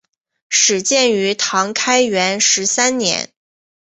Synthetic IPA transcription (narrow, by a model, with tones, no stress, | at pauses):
ʂɻ̩˨˩t͡ɕjɛ˥˩ny˧˥t̪ʰɑ˧˥ŋkʰa˥ɪɥɛ˧˥nʂɻ̩˧˥sa˥nnjɛ̰˧˥n